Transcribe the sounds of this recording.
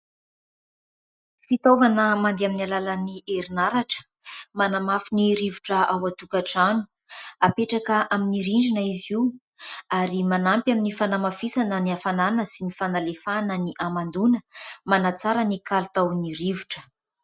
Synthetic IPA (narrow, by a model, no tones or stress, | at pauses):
fit̪ovanəmand̪aminalalaniʔeɾinaɾaʈ͡ʂə̥ | manamafiniɾivuʈ͡ʂəawat̪ukaʈ͡ʂanu̥ | apeʈ͡ʂakəʔaminiɾiɳɖ͡ʐinaiziw | aɾimanampjaminifanamafisanəniafananəsinifanalefanəniʔamand̪unəmanat͡saɾənikalt̪awniɾivuʈ͡ʂə̥